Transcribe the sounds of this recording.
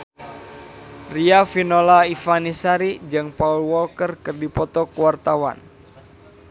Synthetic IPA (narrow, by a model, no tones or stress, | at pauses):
riafinolaifanisaɾid͡ʒɨŋpaulwɔlkərkɨrdipɔt̪ɔkwart̪awa̰n